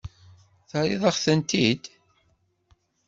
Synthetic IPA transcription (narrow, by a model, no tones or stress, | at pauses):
θəɾiðˤɑχθənt̪id̪